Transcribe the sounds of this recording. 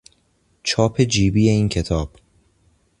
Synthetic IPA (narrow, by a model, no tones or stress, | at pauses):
t͡ʃʰɒːpʰe̞d͡ʒiːbijeiːncʰe̞t̪ʰɒːb̥